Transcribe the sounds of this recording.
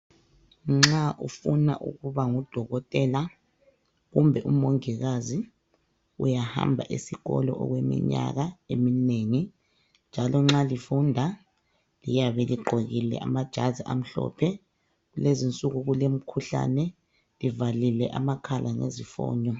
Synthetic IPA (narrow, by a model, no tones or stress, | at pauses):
ŋ͡ǁaʔufuna̰ʔṵɣuβaŋud̥ʱɔɣɔtʼɛla | ɣumbʱɛʔumoŋiɣazi | ṵjaha̰mbʱaʔisiɣɔlɔʔɔɣwemḭɲa̰ɣaemineːŋi | nd͡ʒʱalɔŋ͡ǁalifundʱa | lijaβɛliɡ͡ǃʱoɣilɛ̰amad̥ʒ̥ʱaziʔam̩ɬɔ̰pʰɛ | ɣulezint͡sʼuɣuɣulem̩kʰuɬa̰nɛ | livalilɛʔamakʰalʔaŋḛzifɔ̰ːɲɔ